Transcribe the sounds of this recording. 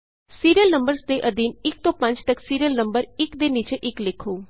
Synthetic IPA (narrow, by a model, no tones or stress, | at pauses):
siːɾiəlnəmbəɾsd̪eʔəd̪iːnɪk̚t̪oːpə̃ɲt͡ʃt̪əksiːɾiəlnə̃mbəɾɪkd̪enit͡ʃeʔɪklekʰoː